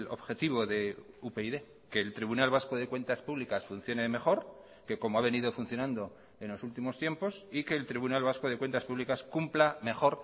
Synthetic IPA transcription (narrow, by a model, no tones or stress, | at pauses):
lo̞̰βxe̞t̪iβ̞o̞ðe̞upe̞iðe̞ | ke̞ːlt̪ɾiβunalβasko̞ðe̞kwe̞nt̪aspuβlikasfun̟θjo̞ne̞meχo̞ɾ | ke̞ko̞moaβ̞e̞nið̞ofunθjo̞nãnd̪o̞ | e̞nlo̞sult̪imo̞st̪je̞mpo̞sike̞ːlt̪ɾiβunalβaskoð̞e̞kwe̞nt̪aspuβlikaskumplame̞χo̞ɾ